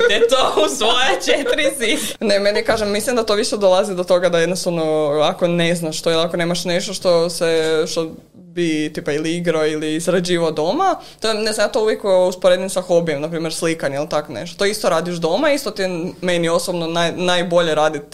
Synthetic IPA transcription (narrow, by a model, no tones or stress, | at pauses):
t̪iet̪ousʋojet͡ʃet̪ɾisinemenikaːʒemːislimd̪at̪oʋiʃed̪olˠazid̪ot̪o̞ɡad̪ajed̪nost̪oʋnoako̞neznaʃt̪oilakoneːmaʃneʃt̪oʃt̪o̞seʃt̪o | bit̪ipailiiɡɾoiliːzɾad͡ʑiːʋad̪o̞mat̪onezamjat̪ouʋjekuspoɾed̪insaxo̞bijemnapɾiːmjeɾslikaɲeilit̪akonḛʃt̪ot̪oist̪oɾaːd̪iʃd̪o̞maist̪ot̪imenio̞sobnonajnajbo̞ʎeɾaːd̪it̪